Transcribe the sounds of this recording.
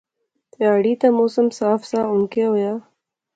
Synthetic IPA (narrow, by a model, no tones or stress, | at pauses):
t̪jaːɽiːt̪amoːsəmsaːfsaːʊnkeɦojaː